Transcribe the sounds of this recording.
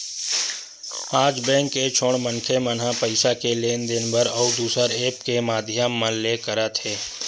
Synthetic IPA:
aːd͡ʒbɛ̃ːŋkːet͡ʃʰoːɳmənkʰemənɦãpəɪsakeleːnd̪ɪnbəɾɔːud̪uːsəɾeːpkemaːd̪ʱjamːə̃lekəɾət̪ɦeː

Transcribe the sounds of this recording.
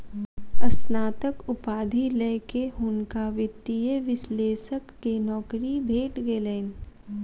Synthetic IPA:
ɐsnaːt̪əkʊpaːd̪ʱileːkeɦʊnkaʋɪt̪ːieʋɪsleːsəkːenɔːkɾibʱeːʈɡeːleːn

